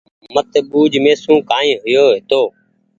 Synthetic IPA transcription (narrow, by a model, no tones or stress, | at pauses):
mət̪ɓuːd͡ʒmẽːsũːkãːĩːɦʊjoːɦɪt̪oː